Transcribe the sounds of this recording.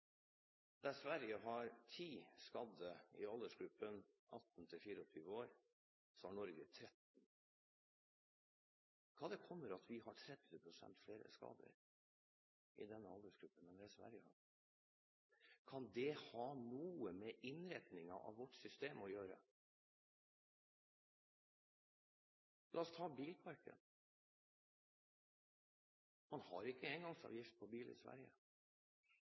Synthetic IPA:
d̪̥ɛsʋæɾjəɦɑɾt̪ʰiːskɑd̪əɪ̰ɑld̪əʂɡɾʉpːənʔɑt̪ːn̩t̪ʰɪlfiːɾəɔt̪ʰyːʋəoːɾ | sɔɑɳɔɾɡət̪ʰɾɛt̪n̩ | kʰɑːd̪ɛkʰɔmːəɾɑt̪ʰʋɪhɑʈʰɾɛd̪ʋəpʰɾʊsɛ̰nt̪fleːɾə̰skɑ̰ːd̪ə̰ɾ | ʔɪ̰d̪ɛnːəɑld̪əʂɡɾʉpːənmɛnd̪æsʋæ̰ɾjə | kʰɑnd̪ɛhɑːnuːəmɛʔɪnɾɛt̪nɪŋɑʔɑ̰ʋʋɔʈːsʏst̪eːmɔjøːɾə̰ | lʔɑːɔst̪ʰɑːbiːlpʰɑɾkə̰n | mɑnhɑ̰ɾɪkːəɛŋɡɑŋsɑ̰ʋjɪft̪̚pʰɔbiːlɪ̰sʋæ̰ɾjə

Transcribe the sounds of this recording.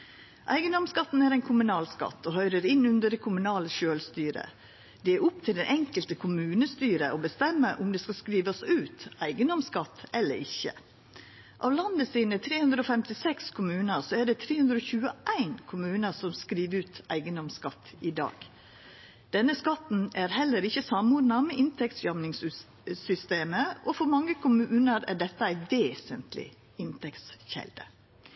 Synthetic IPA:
ʔæ̰ɪɡənd̪ɔmskɑt̪ːn̩æːɾæɪnkʰʊmʉnɑːlskɑ̰t̪ːɔhœʏɾəɾɪnʉnd̪əɖɛkʰʊmʉnɑːləʃøːlst̪yːɾə̰ | d̪̥ɛæʔʊpt̪ʰɪld̪ɛnʔɛŋkəlt̪əkʰʊmʉːnəst̪yːɾə̰ʔobəst̪ɛmːəɾʔʊmd̪ɛskɑskɾiːʋɑsʉːt̪æɪɡənd̪ɔmskɑt̪ːɛlːə̰ɾɪçːə̰ | ʔɑ̰ːʋlɑnd̪əsiːnət̪ʰɾeːhʉnd̪ɾəoːfɛmt̪ɪsɛkskʰʊmʉːnəsoæɖɛt̪ʰɾeːhʉnd̪ɾoːçʉːəʔæɪnkʰʊmʉːnəsɔmskɾiːʋəɾʉːt̪ʔæ̰ɪɡənd̪ɔmskɑt̪ːɪd̪ɑ̰ːɡ̥ | d̪̥ɛnːəskɑt̪n̩æɾhɛlːəɾɪçəsɑmuːd̪nɑmɛʔɪnt̪ʰɛkt̪sjɑmnɪŋs | sʏst̪eːməʔɔfɔɾmɑŋːəkʰʊmʉːnəɾæ̰ɖɛt̪ːəæɪʋeːsənt̪lɪ̰ | ɪnt̪ʰɛkt̪sçɛ̰ld̪ə̰

